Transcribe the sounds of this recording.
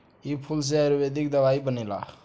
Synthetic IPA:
ipʰuls̬eaɾubed̪ikd̪əbaibənila̰

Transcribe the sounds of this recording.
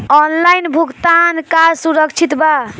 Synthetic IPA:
ɔnlajnbʱuɡt̪ankasuɾəkt͡ʃʰit̪ba

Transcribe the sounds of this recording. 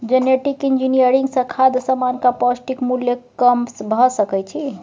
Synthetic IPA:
d͡ʒeneʈikind͡ʒinijəɾiŋɡsə̃kʰad̪əsamankapɔsʈikmuljəkəmpsbʱɔsəkɛjt͡ʃʰi

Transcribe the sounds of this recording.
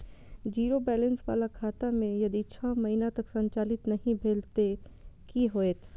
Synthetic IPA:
d͡ʒiːɾobɛːlənsʋa̰ːlakʰaːt̪amẽjɐd̪it͡ʃʰãːmɐɦinat̪ɐksɐ̃ɲt͡ʃaːlɪt̪nɐɦĩbʱeːlt̪e | kiɦoːeːt̪ʰ

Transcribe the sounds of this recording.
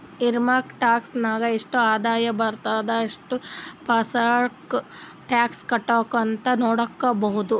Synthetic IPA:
iɾmaːɾkʈaːksnaːɡɐeʂʈuaːd̪aːjɐbɐɾt̪aːd̪ɐɐʂʈupɐsak | ʈjaːkskɐʈːoːkɐnt̪ɐnoːɽɐkːɐbɐɦud̪u

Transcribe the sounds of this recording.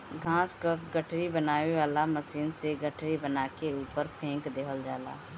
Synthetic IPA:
ɡʱãːskəkɡəʈʰɾibənaːʋeʋaːlaməsiːnseɡəʈʰɾibənaːkeuːpəɾpʰẽːŋkd̪eːkʰəld͡ʒaːla̰ː

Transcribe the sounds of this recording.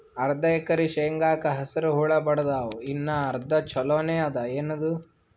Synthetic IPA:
ɐɾd̪ɐɛkɐɾiʃejŋɡaːkɐɦɐsɐɾuɦuːɭɐbɐɽɐd̪aːʋuinːɐɐɾd̪ɐt͡ʃʰɔloːneːɐd̪ɐeːnɐd̪u

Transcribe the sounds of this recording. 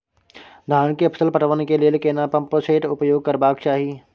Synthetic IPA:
d̪ʱaːnkeɐpsəlpɐʈəʋnekelelekeːnapɐ̃mpoːseːʈʊpjoːɡ̚kɐɾbaːk̚t͡ʃaːɦiː

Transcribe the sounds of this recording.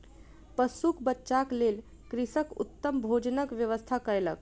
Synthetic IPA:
pəsukbətːʃaklel | kɾisəkṵt̪ːəmbʱod͡ʒənəkʋjəʋəst̪ʰakəɾelək̚

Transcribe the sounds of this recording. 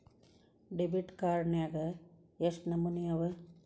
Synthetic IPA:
ɖebiʈkaːɾɳjaːɡɐ | jesnɐmunijɐʋɐ

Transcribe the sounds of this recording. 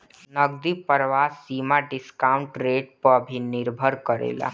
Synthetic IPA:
nəɡ̚d̪ipəɾʋasːiːmaɖɪskauɳʈɾeʈ̚pəbʱinɪɾbʱəɾkəɾḛla̰

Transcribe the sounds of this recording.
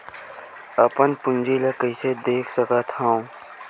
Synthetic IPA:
əpənpʊnd͡ʒilekəɪsed̪eːkʰsəkət̪ʰhãũ

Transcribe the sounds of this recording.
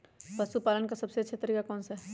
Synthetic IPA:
pɐsupaːlənkasɐbseɐtːʃʰat̪əɾiːkakɔːnsaɦ

